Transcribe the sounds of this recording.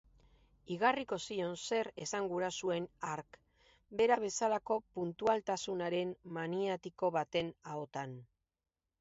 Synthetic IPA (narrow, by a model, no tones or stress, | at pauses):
iɣariko̞sio̞nse̞ɾe̞saŋɡuɾasue̞naɾk | be̞ɾaβ̞e̞salako̞punt̪ualt̪asunaɾe̞mmaniat̪iko̞βat̪e̞naot̪an